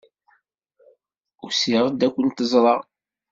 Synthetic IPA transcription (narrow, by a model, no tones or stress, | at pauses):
ʊsiʁˤəd̪ækʷːənt̪əzˤɾˤɑ